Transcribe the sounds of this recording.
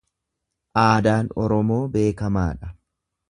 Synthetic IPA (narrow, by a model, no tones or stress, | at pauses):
ʔaːd̪aːnɔɾɔmo̞ːbe̞ːkɐmaːᶑɐ